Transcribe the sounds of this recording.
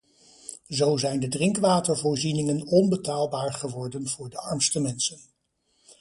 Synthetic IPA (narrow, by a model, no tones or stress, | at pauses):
zowzɛjndədrɪŋkʋaːtəɹvʊːɹzinɪŋənɔnbətaːlˠbaːɹχəʋɔɹdənvʊːɹdəɑɹmstəmɛnsən